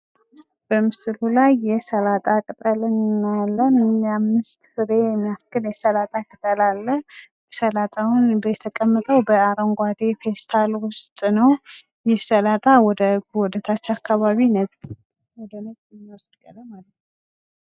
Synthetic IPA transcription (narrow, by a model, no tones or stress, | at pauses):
b̥əmɨslulajːɛsəlat̪ʼakʼɨt̪ʼəlɨnnːalːəmɨnamːɨst̪hɨɾeɛmiafkɨljɛsəlat̪ʼakʰʼət̪ʼəlalːə | səlat̪ʼawnbəjɛt̪ʰəkʼəmːət̪ʼəwbəaɾoŋɡʷad̪efest̪ʰalwʊst̪ʼnəw | jɛsəlat̪ʼawɔd̪əɡwɔd̪ət̪ʰat͡ʃːakʰːaβaβinətʼ | wɔd̪ənət̪ʼɛmːwɔsd̪ɡələmalət̪nn